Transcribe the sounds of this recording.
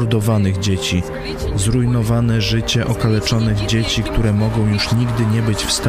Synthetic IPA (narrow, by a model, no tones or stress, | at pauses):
ɾd̪ɔvanɘɣd͡ʑet͡ɕi | zɾujnɔvanɛʐɘt͡ɕɛʔɔkalɛt͡ʂɔnɘɣd͡ʑet͡ɕikt̪uɾɛmɔɡɔ̃w̃juʂɲiɡd̪ɘɲɛbɘt͡ɕfst̪